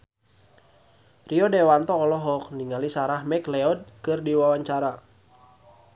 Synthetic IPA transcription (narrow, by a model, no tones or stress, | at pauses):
riɔdɛwant̪ɔːlɔɦɔk̚niŋalisaɾahmɛklɛɔd̚kɨrdiwawaɲt͡ʃaɾa